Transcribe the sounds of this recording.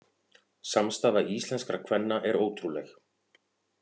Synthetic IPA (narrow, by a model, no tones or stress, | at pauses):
samst̪aːvaiisɛnskɾakʰvɛnːaʔɛɾoːwt̪ɾulɛx